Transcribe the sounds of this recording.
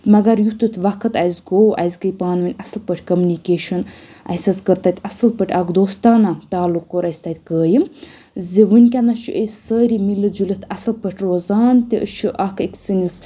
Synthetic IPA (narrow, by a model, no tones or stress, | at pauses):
mɐɡɐɾjut̪ɨt̪ʰʋɐkʰɨt̪ɐjzɡoːʔɐ̰zkəjpaːnʋɨnʲɐslpəʈʰʲkɐmʲunikʲeːʃɐn | ɐ̰sɐzkəɾt̪aːt̪ʰʲɐsɨlpəʈʲʰakd̪oːst̪aːnat̪aːlukːoɾɐjst̪at̪ʲkəːji | ziʋɨnʲkʲanɐt͡ʃʰuʔəzʲsəːɾimilɨd͡ʒulɨt̪ʰɐsɨlpəʈʲʰɾoːzaːnt̪iət͡ʃʰuʔɐkʰikʰʲsinis